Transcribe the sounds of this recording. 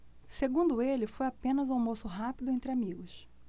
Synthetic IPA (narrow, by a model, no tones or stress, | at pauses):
seɡũnd̪ʊelɪfojapẽnɐzawmosʊɦapid̪ʊẽnt̪ɾɪamiɡʊs